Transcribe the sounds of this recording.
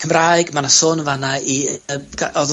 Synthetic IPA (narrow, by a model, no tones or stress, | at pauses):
kʰəmraːjɡmanasʊnvanaiəɡaʔɔð